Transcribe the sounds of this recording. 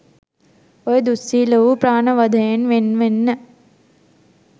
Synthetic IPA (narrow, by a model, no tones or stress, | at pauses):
ojəd̪usːiːləʋupraːnəʋad̪ʱəjenʋenʋenːə